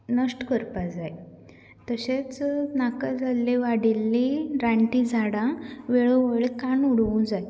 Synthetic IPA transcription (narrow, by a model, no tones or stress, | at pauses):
nəsʈkəɾpad͡zaj | t̪əɕet͡snakad͡zʱalːeʋaɽilːiɾaɳʈid͡zʱaɽãʋeɭuʋəɭikanuɽʋũd͡zaj